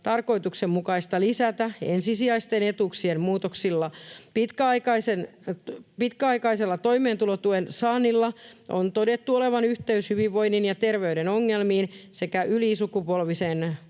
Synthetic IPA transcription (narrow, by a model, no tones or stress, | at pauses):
t̪ɑrko̞it̪uksemmukɑist̪ɑlisæt̪æḛnsisiɑist̪enet̪uksiemmuːt̪oksilːɑpit̪kæɑikɑisen | pit̪kæɑikɑiselːɑt̪o̞imeːnt̪ulot̪uensɑːnːilːɑʔo̰nt̪odet̪ːuoleʋɑnyht̪eyshyʋiʋʋo̞inːinjɑt̪erʋeydenoŋːelmiːnsekæʔylisukupolʋisen